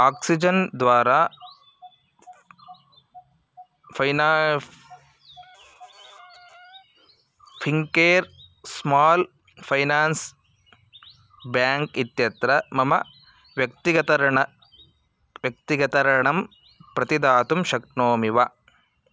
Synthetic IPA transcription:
aːksid͡ʒɐnd̪ʋaːɾaː | pʰɐjna | pʰiŋkeːɾsmaːl | pʰɐjnaːns | bjaːŋkit̪jɐt̪ɾɐmɐmɐ̰ | ʋjɐk̚t̪iɡɐt̪ɐɾɐɳɐ | ʋjɐk̚t̪iɡɐt̪ɐɾɐɳɐm | pɾɐt̪id̪aːt̪umʃɐknoːmiʋɐ

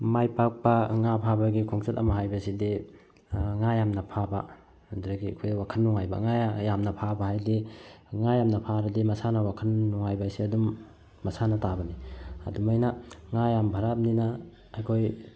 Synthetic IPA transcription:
majpak̚pɐŋapʰabɐɡikʰɔŋsʰatɐ̰maɦajbɐsidi | ŋajamnɐpʰaba̰ | ndɾaɡiɐ̰kʰojdwakʰɐnːɔŋajba̰ŋajajamnɐpʰabahajdiŋajamnɐpʰaɾɐdimɐsanɐwakʰɐnːɔŋajbajsiɐdumː | ɐsanɐtabɐniɐ̰dumajnɐŋajambʱɐɾap̚ninaː | jkʰoj

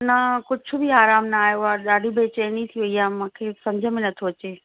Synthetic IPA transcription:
nɐkʊd͡ʑʱʰʊbiaːɾaːmnɐaːjoaɗaːɖʱibʱeːt͡ɕeːnĩt̪ʰijuʋijamãːkʰeːsɐ̃md͡ʑʱəmẽnɐt̪ʰoɐt͡ɕeː

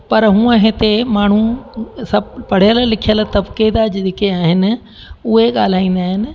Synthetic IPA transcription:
pɐɾɦũːə̃ɦet̪emaːɳ̤usɐbpɐɽ̤ijəllɪkʰijəlt̪ɐbked̪ad͡ʑeɗɪkeaːɦɪnɪ̆ | ʊɦeɠaːl̤aːĩːn̆d̪aːɦɪnɪ̆

